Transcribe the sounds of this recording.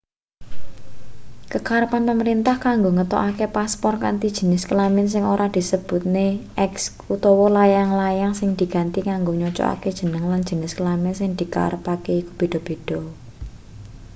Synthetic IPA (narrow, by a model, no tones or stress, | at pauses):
kəkaɾəpanpəməɾint̪ahkaŋɡoŋət̪ɔ̰ʔakepaspɔrkant̪id̥ʒ̥ə̤nɪskəlamɪns̬ɪŋoɾʔad̪̥i̤səb̥ut̪̚neʔɛks | ut̪ɔwɔlajaŋlajaŋsɪŋd̪̥i̤ɡ̥a̤nt̪ikaŋɡoɲɔt͡ʃɔ̰a̰ked̥ʒ̥ə̤nəŋland̥ʒ̥ə̤nɪskəlamɪnsɪŋd̪̥i̤ka̰ɾəpakeikub̥e̤d̪̥ɔ̤b̥e̤d̥ɔ